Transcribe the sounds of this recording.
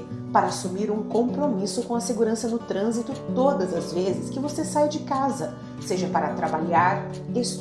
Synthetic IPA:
paɾɐːsumiɾũkõpɾomisʊkõɐseɡuɾɐ̃sɐnʊt̪ɾɐ̃zit̪ʊt̪od̪ɐzɐzvezɪskɪvosesajd͡ʒɪkazɐ | seʒɐpaɾɐt̪ɾabaʎaɾ | es

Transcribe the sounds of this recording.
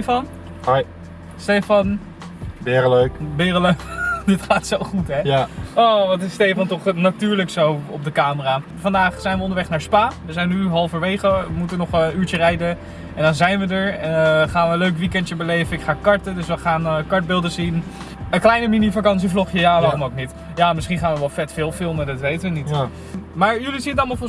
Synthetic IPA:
fɑn | j | stejfɑn | bɪːɾəløɥkbɪːrəløkdɪtχaːtsowχutɦɛɔʋɑtɪstejfɑntɔχnatyːɹləksowɔb̚dəkaːməraː | fɑndaːχsɛjnʋəɔndəʋɛχnaːɹspaːʋəzɛjnːyɦɑlˠfəɹʋejχəʋəmutənɔχyːɹt͡ʃərɛjdə | ɛndɔnzɛjnʋədəɹɛχaːnʋəənløɥkʋikɛntjəbəlejvənɪkχaːkɑɹtədɵsʋəχaːnkɑɹtd̚bɪlˠdəsin | əklɛjnəminifakɑns̬iflɔχjəjaːʋaːrɔmowk̚nit | jaːmɪsχinχaːnʋəʋɛlˠfɛtfɪːlˠfɪlˠmədɑtʋejtəʋənit | maːɹjʏlisinətɑlˠmɑlˠfɔ

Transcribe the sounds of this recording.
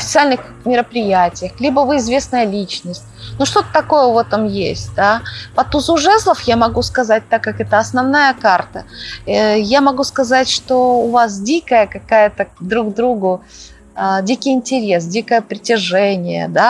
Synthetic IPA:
ɐfʲɪ̥t̪sɨalʲnɨx | mʲɪɾəpɾʲɪjætʲɪjəxlʲibəvɨɪzvʲe̞snəjəlʲit͡ɕnəsʲt̚ʲnuʂt̪o̞t̪ə̥t̪ɐkojəvɛt̪əmjḛsʲtʲd̪apɐt̪uzuʐɛzlˠəfjamɐɡuskɐzat̚ʲt̪akːakɛt̪əɐsnɐvnajəkart̪ə | jamɐɡuskɐzatʲʂt̪oʊvas̬dʲikəjəkɐkajət̪əd̪ɾuɡd̪ɾuɡʊ | adʲikʲɪjɪnʲtʲɪɾʲes̬dʲikəjəpɾʲɪtʲɪʐɛnʲɪjə̰d̪a

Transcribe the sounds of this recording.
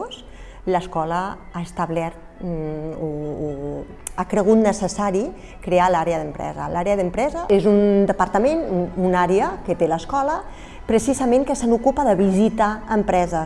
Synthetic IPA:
s | ləskɔləaəst̪əβlɛɾt̪ | o | akɾəɣ̞ut̪nəsəsaɾi | kɾealaɾeəðəmpɾɛ̰zə̰laɾeəðəmpɾɛzəezund̪əpəɾt̪əmenuunaɾeəkət̪eləskɔlə | pɾəsizəmẽŋkəsənukupəðəβizit̪aəmpɾɛzə

